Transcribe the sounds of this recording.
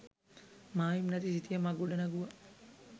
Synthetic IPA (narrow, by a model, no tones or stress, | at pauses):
maːjimnɐt̪isit̪ijɐmaɡuɖɐnɐɡuʋɐ